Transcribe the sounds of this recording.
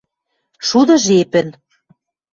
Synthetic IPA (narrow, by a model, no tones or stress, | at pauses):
ʃud̪ɤ̆ʒepɘ̆n